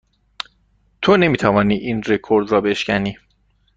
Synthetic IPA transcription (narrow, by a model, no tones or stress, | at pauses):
t̪ʰone̞miːt̪ʰævɒːniːʔiːnre̞kʰo̞ɾd̪ɾɒːbe̞ʃcæniː